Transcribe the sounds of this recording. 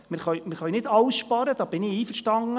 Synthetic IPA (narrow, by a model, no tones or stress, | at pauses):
mɪɾχœɥmɪɾχœjnɪdɑwsʃpɑɾəd̪̥ɑːb̥ɪnɪiːfəɾʃtɑŋːə